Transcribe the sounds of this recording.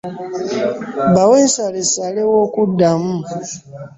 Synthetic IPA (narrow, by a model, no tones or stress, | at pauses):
bawensalesalewokudamu